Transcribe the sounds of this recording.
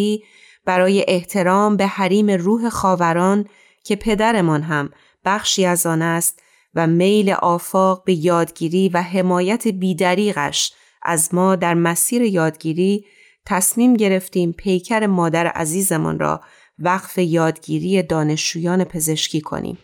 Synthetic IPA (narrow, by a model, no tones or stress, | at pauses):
iː | b̥æɾɒːje̞ʔeht̪ʰe̞ɾɒːmbe̞hæɾiːme̞ruːɦe̞xɒːvæɾɒːn | cʰe̞pʰe̞d̪æɾe̞mɒnɦæm | b̥æxʃiːæzɒːnæst̪ | væme̞jlḛʔɒːfɒːɣbe̞jɒːd̪ɟiːɾiːvæɦe̞mɒːjæt̪ʰebiːd̪æɾiːɣæ̰ʃ | ʔæ̰zmɒːd̪æɾmæsiːɾe̞jɒːd̪ɟiːɾiː | t̪ʰæsmiːmɟe̞ɾe̞ft̪iːmpʰe̞jcʰæɾe̞mɒːd̪æɾḛʔæ̰ziːze̞mɔ̰nɾɒ̰ː | væɣfe̞jɒːd̪ɟiːɾiːje̞d̪ɒːne̞ʃd͡ʒuːjɒːne̞pʰe̞ze̞ʃcʰiːkʰo̞̰nḭːm